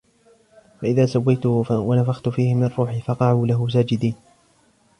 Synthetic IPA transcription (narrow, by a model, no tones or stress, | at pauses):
faʔɪðaːsawːajt̪ʊwanafaxt̪ʊfiːhɪmɪarˤːuːħɪfɑqɑʕuːlaɦʊs̬aːd͡ʒɪd̪iːn